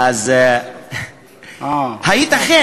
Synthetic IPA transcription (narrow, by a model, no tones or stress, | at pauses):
az | hajit̪axe